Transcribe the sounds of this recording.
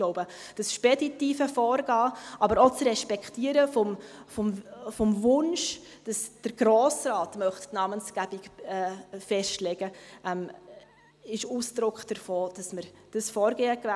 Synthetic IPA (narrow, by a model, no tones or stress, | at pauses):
loʊbə | d̥ɑsʃpɛditiːfəfɔːɾɡɑːʔɑbəɾot͡srɛʃpɛkχtiːəɾəfɔmfɔmfɔmvʊnʃ | d̥ɑsd̥əɾɡ̥ɾoːsrɑːtmœχtnɑmənsɡ̥æbɪkɛfɛʃtlɛɡ̥əʔɛm | ɪʃuːsd̥ɾʊkχd̥əɾfoːd̥ɑsməɾ | d̥əsfɔːɾɡeːəkʋæ